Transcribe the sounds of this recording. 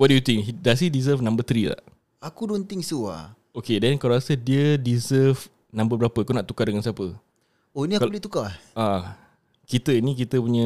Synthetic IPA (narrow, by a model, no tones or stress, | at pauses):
wɔt̚dujut̪ɪŋɦidas̬idizəfnãmbət̪ɾila̰ʔ | akudunt̪ɪŋsua̰ | okedɛnkaɾasədiədizəf | nãmbəbəɾapəakunaʔt̪ukadəŋansiapə | oiniakaulit̪ukaa | kit̪əinik̬it̪əpuɲə